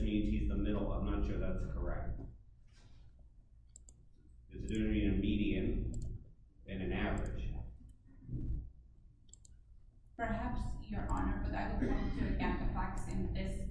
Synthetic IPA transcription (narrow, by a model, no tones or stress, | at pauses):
d͡ʒiɨ̃ntʰizðəmɪɾl̩ˠʌvmʌ̃nt͡ʃɨʊðætskʰə˞ɛ̰k̚t̚ | ɨtsd̥ʉɪ̃ŋɨ̃nɨmiɾiɨ̃n | ɨ̃nɨ̃nævə˞ɪ̰d̥ʒ̥ | pə˞hæpsjə˞ʔɑ̰nə˞bʌɾaɪwɨwɑ̃tʰɨʔæ̃mpɨfæksɪ̃ŋðɪs